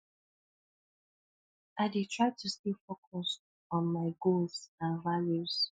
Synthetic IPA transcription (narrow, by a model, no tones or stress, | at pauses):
aɪditʰɹaɪtʰustifokʰɔs | ɔ̃nmaɪɡolzãnvaljuz̥